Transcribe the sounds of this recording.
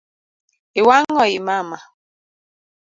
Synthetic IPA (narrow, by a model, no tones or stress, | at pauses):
iwaŋɡɔjimama